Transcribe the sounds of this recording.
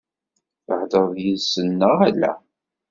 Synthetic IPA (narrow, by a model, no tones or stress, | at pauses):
θəħd̪əðˤjiðsənːəʁælːæ̰